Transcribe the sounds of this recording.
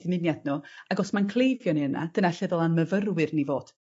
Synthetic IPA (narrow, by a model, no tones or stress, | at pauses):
dɪmɪnjadnuaɡɔsmankʰlˠejvjɔniəna̰d̥ənaɬɛðɔlˠanməvərwɨrnivoːd̥